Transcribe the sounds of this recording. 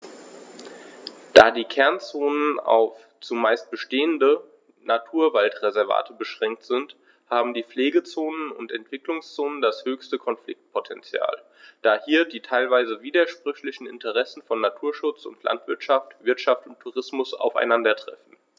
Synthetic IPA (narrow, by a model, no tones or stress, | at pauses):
d̥aːdiːkʰɛɐnt͡soːnəna̰ʊf | t͡sʊmːaɪst̚b̥əʃteːəndə | natʰuːɐvaltʁɛzɛɐva̰ːtəbəʃʁ̥ɛŋk̚tz̥ɪnt | haːbm̩diːp͡fleːɡət͡soːnənʊ̰ntɛntv̥ɪklʊŋst͡soːnəndashøːçstəkʰɔnflɪ̰k̚t̚pʰotʰɛ̰nt͡sja̰ːl | d̥aːhiːɐdiːtʰaɪlvaɪzəviːdɐʃpʁ̥ʏçlɪçn̩ɪ̰ntʰəʁ̞ɛsn̩fɔnːatʰuːɐʃʊt͡sʊ̰ntʰlʔa̰ntv̥ɪɐtʃaftv̥ɪɐtʃaftʊntʰːuʁɪsmʊsa̰ʊfa̰ɪnandɐtʁ̥ɛ̰fn̩